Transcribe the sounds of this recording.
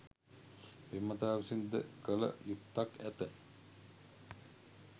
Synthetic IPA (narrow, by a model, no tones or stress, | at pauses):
pemːɐt̪aːʋisind̪ə̰kələ̰jut̪ːakæt̪ə